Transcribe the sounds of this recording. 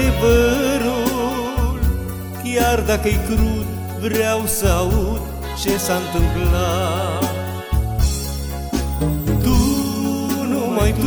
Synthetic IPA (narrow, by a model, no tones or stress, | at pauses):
ebəɾu | l | kiaɾd̪akəjkɾut̪ | ʋɾawsaut̪ | t͡ɕesãnt̪əŋkla | t̪u | numajt̪